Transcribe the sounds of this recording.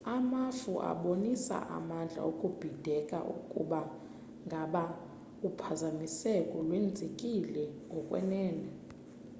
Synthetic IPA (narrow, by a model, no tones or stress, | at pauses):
amafuʔa̰ɓonisa̰ʔa̰mand͡ɮʱa̰okʼub̥ʱid̥ʱɛkʼa̰ʔṵkʼuɓa | ŋɡʱaɓa | upʰazamisɛkʼɔlwend͡zʱekʼilɛŋɡʱɔkʼwɛ̰nɛːnɛ